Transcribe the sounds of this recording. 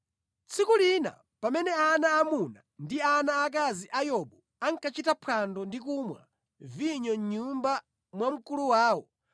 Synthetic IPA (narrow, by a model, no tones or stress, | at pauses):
t͡sʰikulina̰ | pamɛnɛanaːmunandianaːk̬aziʔajɔɓɔ | aŋkat͡ʃitapʰandɔndikumwa̰ | viɲɔɲumba | mwam̩kuluwaːwɔ